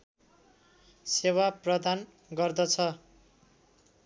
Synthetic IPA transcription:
sewaprʌd̪an | ɡʌrd̪ʌt͡sʰʌ

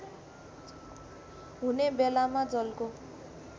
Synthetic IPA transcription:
ɦunebelamad͡zʌlko

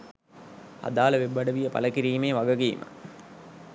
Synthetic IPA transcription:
ha̰d̪aːlɐʋebːɐɖəʋijəpɐ̰ləkiɾiːmeːʋaɡəɡiːmʔə̰

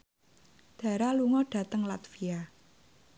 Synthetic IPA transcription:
d̪̥a̤ɾaluŋɔɖ̥ä̤t̪əŋlat̪fia

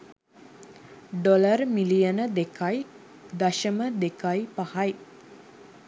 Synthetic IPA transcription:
ɖolərmilijənəd̪ekʰaj | d̪aʃəməd̪ekajpahaj

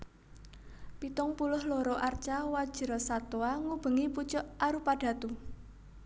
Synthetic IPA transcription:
pit̪ʊŋpulʊhloɾɔʔart͡ʃawad̥ʒ̥ə̤ɾɔsat̪oaŋub̥ə̤ŋiput͡ʃʊʔaɾupaɖ̥ä̤t̪u

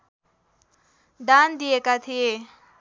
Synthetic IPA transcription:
d̪and̪ijekat̪ʰije

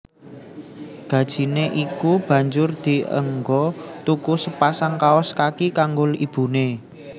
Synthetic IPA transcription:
ɡ̥ä̤d̥ʒ̥i̤neʔikub̥ä̤ɲd͡ʒʊrd̪̥i̤ə̰ŋɡɔt̪ukusəpasaŋkaɔskakikaŋɡʊlib̥ṳne

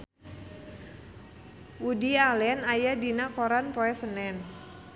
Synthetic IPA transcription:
wudialɛnajadinakoɾanpoɛsənɛn

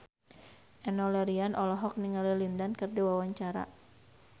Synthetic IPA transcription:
ʔɛnɔlɛɾianʔɔlɔɦɔk̚niŋalilindankɨrdiwawaɲt͡ʃaɾa̰

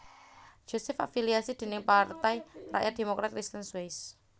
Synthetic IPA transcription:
d͡ʒ̥o̤sɛfafiliasid̪̥e̤nɪŋpart̪ɛjra̰ʔjʔat̪̚d̥̪e̤mokɾat̪̚kɾist̪ənswes

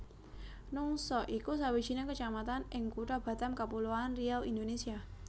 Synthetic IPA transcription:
nʊŋsɔʔikusawi̥t͡ʃinakət͡ʃamat̪anʔɪŋkuʈab̥a̤t̪amkapuluanrialḭnd̪onesia

